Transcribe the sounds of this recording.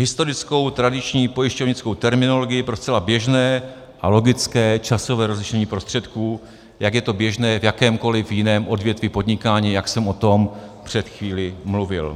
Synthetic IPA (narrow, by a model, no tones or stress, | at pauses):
ɦɪst̪o̞ɾɪt͡sko̞wt̪ɾadɪt͡ʃɲiːpo̞jɪʃcovɲɪt͡sko̞wt̪ɛɾmɪno̞lo̞ɡɪjɪpɾo̞st͡sɛlabjɛʒnɛː | ʔalo̞ɡɪt͡skɛːt͡ʃaso̞vɛːɾo̞zlɪʃɛɲiːpɾo̞st̪r̝̥ɛt̪kuː | jaɡjɛt̪o̞bjɛʒnɛːvjakɛːmko̞lɪvjɪnɛːmʔo̞dvjɛt̪vɪpo̞dɲɪkaːɲiːjaksɛmʔo̞t̪o̞mpr̝̥ɛt̪xviːlɪmluvɪ̰l